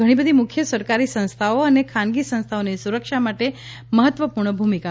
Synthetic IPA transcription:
əɽ̃ĩbəd̪ʱimʊkʰjəsəɾkaɾisə̃ñst̪ʰaoənekʰanɡisə̃ñst̪ʰaonisuɾəkʂamaʈe | məɦət̪ʋəpuɾɳəbʱumika

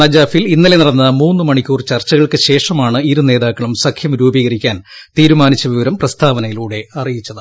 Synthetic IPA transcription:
nɐd͡ʑaːfilinːɐle̞niɽɐnːɐmuːnːɨmɐɳikʲːuːrt͡ɕɐrt͡ɕːɐɣɐɭkɨɕe̞ːʂɐmaːɳɨiɾune̞ːðaːkːɐɭumsɐkʰjɐmɾuːbiːɣɐɾikʲːaːnt̪iːɾumaːnit͡ɕːɐʋiʋɐɾɐmprɐst̪ʰaːʋɐnɐjiluːɽe̞ɐrijit͡ɕːɐðɨ

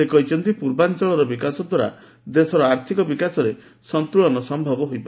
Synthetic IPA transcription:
ekɔjt͡ʃɔnt̪ipuɾbant͡ʃɔɭɔɾɔbikasɔd̪waɾa̰ | d̪esɔɾɔaɾt̪ʰikɔbikasɔɾe | sɔnt̪ɾuɭɔnɔsɔmbʱɔbɔɦojba

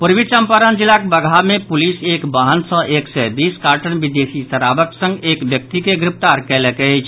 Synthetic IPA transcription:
puɾʋit͡ʃəmpaɾənd͡ʒilakebəɡʱamẽpulisekbaɦənsə̃ʔeksɛbiːskaːɾʈənbid̪esisəɾabəksə̃ŋɡeːkbjək̚t̪ikeɡɾɪp̚ʰt̪aɾkɛlekeɦɛt͡ʃʰ

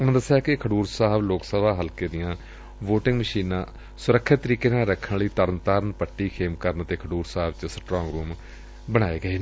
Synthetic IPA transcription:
ʊnãːd̪əsːjaːkɪkʰəɖuːɾsaːɦəbloːksəbaːɦəlkeːd̪ɪjãː | ʋoːʈɪ̃ŋɡməʃiːnãː | sʊɾəkʰːɪt̪ːəɾiːkeːnãːɾəkʰːənləiːt̪əɾənt̪aːɾənpəʈːiːkʰeːmkəɾnt̪eːkʰəɖuːɾsaːɦəbt͡ʃəsʈɾɔ̃ːŋɡɾuːm | bəɽ̃aːeːɡəeːnː

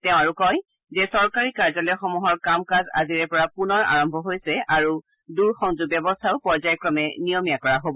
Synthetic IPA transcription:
tɛʊ̃aɹukɔj | zɛsɔɹkaɹikaɹzɔlɛxɔmuɦɔɹkamkaza̰ziɹɛpɔɹapunɔɹa̰ɹɔmbʱɔɦojsɛaɹu | duɹxɔŋzubjɔbɔstʰaʊpɔɹzajkɹɔmɛnijɔmijakɔɹaɦobɔ

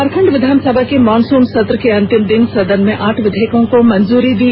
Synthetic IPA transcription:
aɾpʰə̃ɳɖʋɪd̪ʱaːnsəbʱakemɔːnsuːnsɐt̪ɾəkeɐ̃nt̪ɪmd̪ɪnsɐd̪ənmẽʔaːʈʰʋɪd̪ʱeːkõkomɐnzuːɾid̪iː

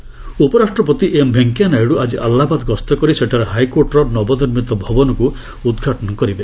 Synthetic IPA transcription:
upɔɾasʈɾɔpɔt̪iʔembʱeŋkjanajɽuad͡ʒiʔalːabad̪ɔɡɔst̪ɔkɔɾiseʈʰaɾeɦajkoɾʈɔɾɔɾnɔbɔniɾmit̪ɔbʱɔbɔnɔku | ud̪ɡʱaʈɔnɔkɔɾibe

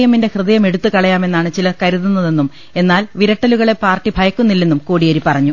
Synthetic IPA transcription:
jɐminde̞hrɨðɐjɐme̞ɽut̪ːukɐɭɐjaːme̞nːaːɳɨt͡ɕilɐkɐɾuðunːɐðe̞nːum | e̞nːaːlʋiɾɐʈːɐluɣɐɭe̞paːrʈːibʱɐjɐkːunːilːenːumkoːɽijɐɾipːɐrɐɲːu

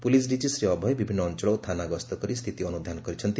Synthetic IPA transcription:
pulisɖid͡ʒisɾiʌbʱʌjbibʱinːʌːnt͡ʃɔɭɔwt̪ʰanaɡʌst̪ɔkʌɾist̪ʰit̪iʌnud̪ʱanɡʌɾit͡sʰʌnt̪i

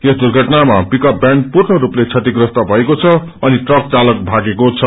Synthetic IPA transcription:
esd̪urɡʱʌʈnamapikʌp̚bjaɳpurɳʌɾuplet͡sʰʌt̪iɡrʌst̪ʌbʱʌekot͡sʰʌ | ʌniʈrʌk̚t͡salʌkbʱaɡekot͡sʰʌ

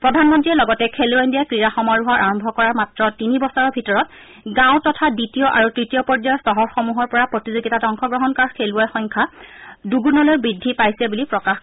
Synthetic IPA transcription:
pɹɔdʱanmɔntɹiɛlɔɡɔtɛkʰeluandijakɹiɹaxɔmɔɹuɦaɹʔaɹɔmbʱɔkɔɹaɹmatɹɔtinibɔsɔɹɔbʱitɔɹɔt̚ | ɡãw̃tɔtʰaditiɔʔa̰ɹutɹitijɔpɔɹd͡ʒajɔsɔɦɔɹxɔmuɦɔɹpɔɹapɹɔtizoɡitatɔŋxɔɡɹɔɦɔnkaɹkʰeluajxɔŋkʰaduɡunɔlojbɹidʱːipajsɛbulipɹɔkax

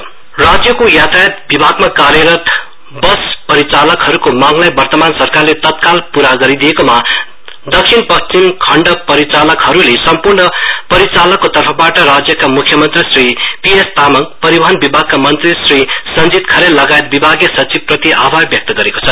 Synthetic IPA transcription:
rad͡zjʌkojat̪ajet̪̚bibʱaɡmakaɾjʌɾʌt̪ | bʌspʌɾit͡salʌkɦʌɾukomaŋlajbʌrt̪ʌmansʌrkarlet̪ʌt̪̚kalpuɾaɡʌɾid̪iekoma | d̪ʌksʰinpʌst͡simkʰʌɳɖʌpʌɾit͡salʌkɦʌɾulesʌmpurnʌpʌɾit͡salʌkːot̪ʌrpʰʌbaʈʌrad͡zjʌkamukʰjʌmʌnt̪risripiest̪amʌkpʌɾibʌɦʌnbibʱaɡ̚kamʌnt̪risrisʌnd͡zit̪kʰʌɾelːʌɡajet̪̚bibʱaɡjʌsʌt͡sib̚prʌt̪iʔabʱarbjʌk̚t̪ʌɡʌɾeko̥t͡sʰʌ

